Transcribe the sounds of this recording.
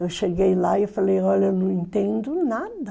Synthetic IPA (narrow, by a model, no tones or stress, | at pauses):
ewʃeɡejlaewfɐlejɔʎɐewnɐ̃w̃ẽnt̪ẽnd̪ʊnad̪ɐ